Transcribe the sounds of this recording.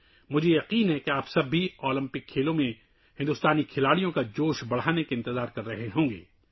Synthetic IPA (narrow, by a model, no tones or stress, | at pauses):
mʊd͡ʒʱejɐqiːnɦɛkeaːpsɐbːiɔːlɪ̃mpɪkʰːeːlõmẽ | hɪ̃nd̪ʊst̪aːnikʰɪlaːɽijõkad͡ʒoːʃbɐɽ̤aːnekeɪ̃nt̪ɪzaːɾkɐɾːɐɦeɦõːŋɡḛː